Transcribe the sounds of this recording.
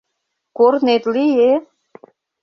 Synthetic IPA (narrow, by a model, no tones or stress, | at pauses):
koɾnet̪lije